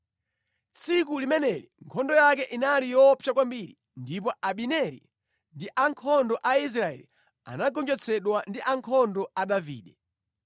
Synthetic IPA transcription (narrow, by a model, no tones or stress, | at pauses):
t͡sʰikulimɛnɛliŋkʰɔndɔjakɛʔinalijɔpʰjakwambiɾi | ndip̬ɔaɓinɛɾḭ | ndiʔaŋkʰɔndɔʔais̬ɾaɛ̰li | a̰naɡɔnd͡ʒɛt͡sʰɛɗwandiʔaŋkʰɔndɔaɗavḭːɗɛ